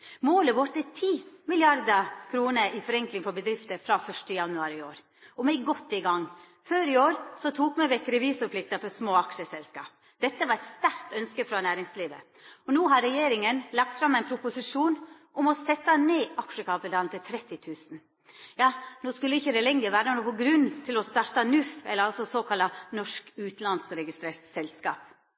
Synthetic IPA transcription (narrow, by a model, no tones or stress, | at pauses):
moːləʋɔɾt̪ət̪ʰiːmɪlɪɑɾd̪əkʰɾuːnəɾʔɪfɔɾɛŋklɪŋfɔbəd̪ɾɪft̪əɾfɾɑfœʂʈəjɑnʉɑːɾɪoːɾ | ɔmɛɪɡɔt̪ːɪɡɑŋː | føːɾɪoːɾsɔt̪ʰuːkmɛʋɛkːɾɛʋiːsɔpʰlɪkt̪əfɔɾsmoːɑkʂəsɛlskɑ̰ːp̚ | d̪̥ɛt̪ːəʋɑɾɛt̪st̪æɾt̪œnskəfɾɑnæːɾɪŋsliːʋə̰ | ɔnuːɦɑɾɛjeːɾɪŋənlɑk̚t̪fɾɑmːæɪnpʰɾʊpʊsɪʂuːn | ʔʊmɔsɛt̪ːɑneːʔɑkʂəkʰɑːpəd̪ɑːlnt̪ɪlt̪ʰɾɛt̪ːɪt̪ʰʉːsn̩ | jɑːnoːskʉləɪçːəd̪ɛlɛŋəɾʋæːɾənoːpɔɡɾʉnːt̪ʰɪlɔst̪ɑɾt̪ɑnʉfɛləɾɑlsɔsoːkʰɑlɑnɔʂkʉːt̪lɑnsɾɛɡɪst̪ɾeːɾt̪sɛlskɑ̰ːp